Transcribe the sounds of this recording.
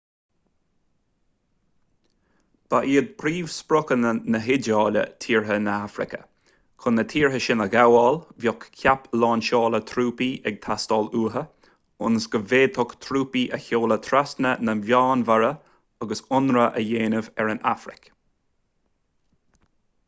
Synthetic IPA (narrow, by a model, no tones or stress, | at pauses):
b̥aʔiːəd̪̚pʰɾiːvspɾʊkənənəɦɪdɑːlə̰t̪ʰiːɹɦənəafɾɪ̰kə̰ | kʰʊnːət̪ʰiːɹɦəʃɪnəɡawɑːlvjɔkkʰjaplɑːnʃɑːlət̪ʰɾuːpiɛɡ̚t̪ʰast̪ɑːluːɦə | ʊnəsɡəveːt̪ʰɔkt̪ʰɾuːpiʔəçoːlət̪ʰɾasnənəvjɑːnvaɾə | aɡəsʊnɾəʔəjeːnəvɛɹənafɾɪ̰k